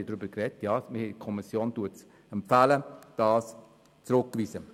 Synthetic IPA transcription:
idɾʏbəɾkrɛtjɑːmɪhikʰɔmisjoːntuːəts | ɛmpfæləd̥ɑːs | t͡sɾʊkːʋiːsə

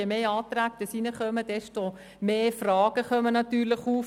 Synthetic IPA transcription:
ɛmeːɑːt̪ɾæːk̚d̥əsinəχœməd̥ɛʃto | meːfrɑːɡ̥əχœmənɑtyːɾləχuː

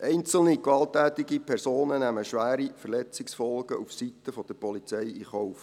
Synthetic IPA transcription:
ʔɛɪnt͡səl̩nikʋɑltːæːt̪ɪɡipʰɛrsoːnənæməʃʋæːɾifəɾlɛt͡sɪksfɔlɡəʔufsit̪əfɔd̥̪əɾpɔlit͡sɛjiχɔʊf

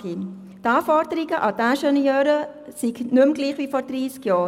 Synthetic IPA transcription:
ɡi | t̪ɑːfɔɾdəɾiɡəʔɑdæʃɛniœːɾə | siɡnʉmɡliːχʋiːfɔɾd̥̪ɾiːskjɑː

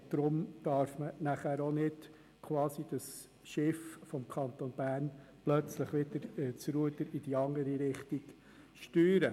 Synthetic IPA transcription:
d̪̥ɾʊmd̪̥ɑɾfmənæχæːɾonɪd̥ | kʰʋɑːsid̥ɑs | ʃɪffɔmkʰɑnt̪onb̥æːrnplœt͡sləχʋɪd̥əɾt͡sɾuət̪əɾɪd̥iɑŋəɾiɾɪχt̪iɡ | ʃtyːɾə

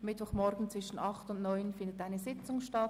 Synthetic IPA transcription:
mɪtv̥ɔχmɔɾɡn̩t͡sʋ̥vɪʃn̩ɑχtʊndnɔʏnfɪndətaɪnəzɪt͡sʊŋʃtɑt

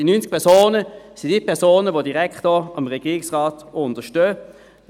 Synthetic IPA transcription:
inynt͡sk̚pʰɛɐsoːnəsidipʰɛsoːnəvodiʁɛkχtɔɑmʁɛɡ̥iːɪksʁaːtʊndəʃtøː

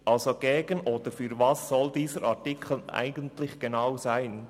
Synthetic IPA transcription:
ʔɑlzoɡ̥eːɡənʔoːd̥əɾfyːɾvɑsːɔldiːzəɾaʁtɪkʰl̩ʔa̰ɪɡəntlɪçɡ̥enaʊzaɪn

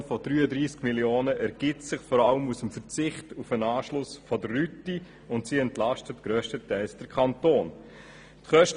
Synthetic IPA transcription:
fɔdɾyːədɾiːskmiljoːnəʔɛɾɡ̥ɪtsɪχfɔɾɑləmusəmfəɾt͡sɪχtufənɑːʃlʊsfɔdəɾːyti | ʊntsiːɛntlɑʃtətɡ̥ɾøːʃtətæɪlsd̥əɾkʰɑntoːn | tχœʃt

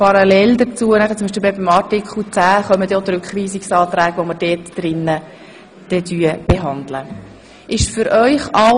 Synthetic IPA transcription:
pɑɾɑlɛld̪ət͡suənæχətt͡sʊmiʃ̬pilbɛbimɑtɪkχl̩t͡sæːχœməd̪ɛot̪ɾʉkχʋiːsɪksɑːt̪ɾæːɡəʋoməɾd̥ɛːtd̥ɾɪnːə | d̥ɛtyəb̥eɦɑnd̪lə | ʔɪʃfʏɾʔœʏχɑ

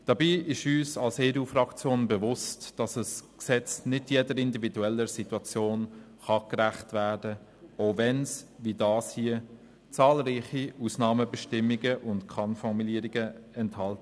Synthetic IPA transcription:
d̥ɑbiːɪʃyːsɑlseːɾuːfrɑkt͡sjoːnbəvʊstd̥ɑsəsksɛt͡snɪdjɛdəɾɪndividuɛlːəsituɑt͡sjoːn | χɑkræχtvæːɾdə | oʊvɛnsvidɑːshiə | t͡sɑːlɾiːχiuːsnɑːməbɛʃtɪmːiɡəʔʊntkʰɑnfɔɾmuliəɾiɡəɛnthɑltə

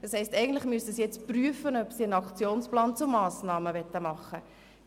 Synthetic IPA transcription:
d̥ɑshɛɪstɛɡən̩t̪lɪχmyəsəsijɛt͡spryəfənœpsiənɑkt͡sjoːnsplɑːnt͡sʊmːɑːsnɑːməvɛt̪ːəmɑχːə

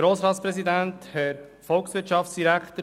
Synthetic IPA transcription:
ɾoːsɾɑːt̪spɾɛsid̪ænt̪hɛɾ | fɔlksʋɪɾʃɑftt͡ssd̥̪iɾækʰt̪ə

